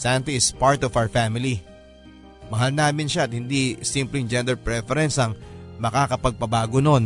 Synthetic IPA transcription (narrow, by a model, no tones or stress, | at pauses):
sant̪iɪspaɹt̪ɔfawɹfamɪli | mɐɦalnaːmɪnʃaɐt̪hɪnd̪isimplɪŋd͡ʒɛ̃nd̪ɛɹpɹɛfɛɾɛnsɐŋmɐkaːkɐpɐɡ̚pɐbaːɡonon